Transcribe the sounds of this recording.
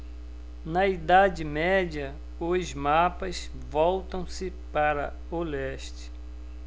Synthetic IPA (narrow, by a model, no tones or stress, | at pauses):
nɐid̪ad͡ʒɪmɛd͡ʒiɐ | ʊzmapɐs | vɔwt̪ɐ̃w̃sɪ | paɾɐ̰ | olɛʃt͡ʃɪ̥